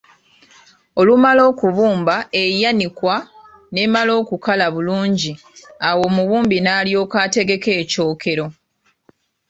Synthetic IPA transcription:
o̞lumalo̞ːkuβuːmbae̞janikwa | ne̞ːmalo̞ːkukalaβuluːɲɟi | awo̞ːmuβuːmbinaːljo̞ːkaːte̞ɡe̞ke̞ːco̞ːkʰe̞ɾo̞

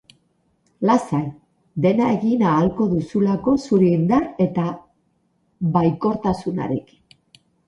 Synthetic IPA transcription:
lasaj | d̪e̞naeɣinaːlko̞ðusulako̞suɾeind̪are̞t̪a | βajko̞ɾt̪asuna̰ɾik

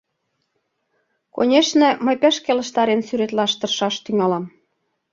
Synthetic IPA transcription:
ko̰nʲeʃnĕmə̆jpæ̆ʃkelə̆ʃt̪ɑɾensyɾet̪lɑʃt̪ɤ̆rʃɑʃt̪yŋɑlɑm

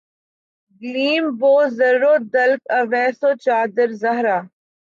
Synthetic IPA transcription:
ɡliːmboːzɐɾːoːd̪ɐlkɐʋɛːsoːt͡ʃaːd̪əɾzɐɦɾaː

